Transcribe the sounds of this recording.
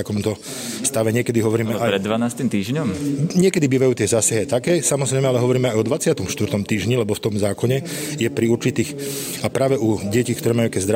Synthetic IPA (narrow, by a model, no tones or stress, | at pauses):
t̪akɔmt̪ɔ | fst̪aʋɛɲɪɛkɛd̪iɦɔʋɔɾiːmɛaɾɛd̪ːʋanaːst̪imt̪iːʒɲɔmɲɪɛkɛd̪ibiːʋajuːt̪ɪɛzaːsaɦiat̪akɛːsamɔzɾɛɪmɛalɛɦɔʋɔɾiːmɛajɔd̪ʋat͡sɪat̪ɔmfʃt̪ʋrt̪ɔmt̪iːʒɲilɛbɔft̪ɔmzaːkɔɲɛ | jɛpɾiuɾt͡ʃit̪iːx | apɾaːʋɛʔuɟɛcikt̪ɔɾɛːmajuakɛzd̪ɾa